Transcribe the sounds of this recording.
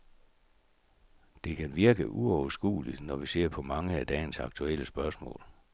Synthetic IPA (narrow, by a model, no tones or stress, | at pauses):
d̥e̝kʰænʋiɐɡ̥əʔuɒʊɐsɡ̥ṵːlid̥nɒʋise̝ɐ̰pʰɒ̽mɑ̈ŋəæd̥ɛːɪnsɑ̈ɡ̥̚t͡sʰuel̰əsb̥ɶɐsmɔ̰̽ːl